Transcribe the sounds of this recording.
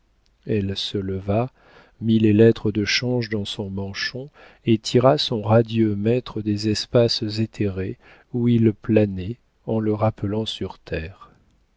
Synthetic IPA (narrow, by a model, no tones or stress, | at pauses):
ɛlsələva | milelɛt̪χəd̪əʃɑ̃ʒd̪ɑ̃sɔ̃mɑ̃ʃɔ̃ | et̪ʰiʁasɔ̃ʁad̪jømɛt̪χəd̪ezɛspaszet̪ʰeʁe | uilplanɛ | ɑ̃ləʁapəlɑ̃syʁt̪ʰɛːʁ